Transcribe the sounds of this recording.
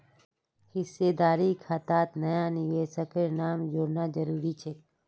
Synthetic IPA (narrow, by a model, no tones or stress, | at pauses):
hɪsːeːd̪aːɾikʰat̪aːt̪nəjaːnɪʋeːʃəkeɾnaːmd͡ʒoːɾnaːd͡ʒəɾuːɾit͡ʃʰeː